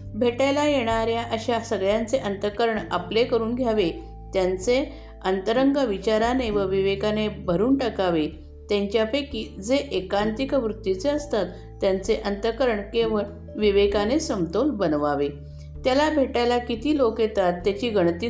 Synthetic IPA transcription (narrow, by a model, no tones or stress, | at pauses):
bʱeʈajlajeɽ̃aɾjaʔəɕasəɡɭjant͡seʔənt̪əkəɾəɳa̰plekəɾuːnɡʱjaʋe | t̪jant͡se | ənt̪əɾəŋɡəʋit͡ɕaɾaneʋəʋiʋekanebʱəɾuːnʈəkaʋe | t̪jaɲt͡ɕjapekiːd͡zeʔekant̪ikəʋɾut̪ːit͡seəst̪at̪ːjant͡seʔənt̪əkəɾəɳkeʋə | ʋiʋekanesəmt̪olbənʋaʋe | t̪jalabʱeʈajlakit̪iːlokjet̪at̪ːjat͡ɕiːɡəɳt̪iː